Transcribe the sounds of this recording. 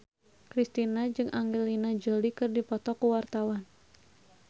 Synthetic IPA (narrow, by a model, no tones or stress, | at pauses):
kɾist̪inad͡ʒɨŋʔaŋɡelinad͡ʒəlikɨrdipɔt̪ɔkuwart̪awan